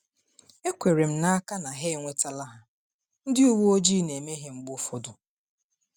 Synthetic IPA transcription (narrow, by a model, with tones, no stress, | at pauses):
e˦kʷe˨ɾe˨m̩˦na˦a˦ka˦na˨ɦe˦˨ŋʷe˦ta˦la˦ɦa˨ | n̩˦dɪ˦u˦wu˦o˦d͡ʒi˦˨ne˨me˦ɦe˨ŋ͡m̩˦ɡ͡bʊ˦fo˦dʊ˨